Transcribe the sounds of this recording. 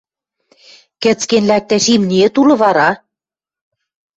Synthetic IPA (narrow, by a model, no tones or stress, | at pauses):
kɘ̆t͡skenlæk̚t̪æʃimniĕt̪ulɤ̆βɑɾɑ